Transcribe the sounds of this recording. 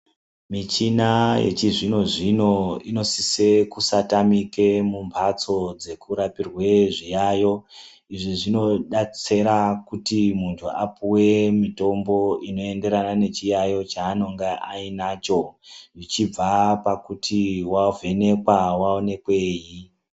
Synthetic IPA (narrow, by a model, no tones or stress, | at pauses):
mit͡ʃinajḛt͡ʃiʐino̞ʐino̞ino̞sise̞kusatamike̞mumbʱat͡so̞d͡ze̞kuɾapirwe̞ʐijaːjo̞ | iʐiʐino̞ɗat͡se̞ɾakutimuntʰua̰puwe̞mito̞mbo̞ino̞e̞nde̞ɾanane̞t͡ʃijajo̞t͡ʃaːno̞ŋɡeʔainaːt͡ʃo̞ʐit͡ʃib͡vapakutʰiwavʱe̞ne̞kwawaone̞kwe̞ːji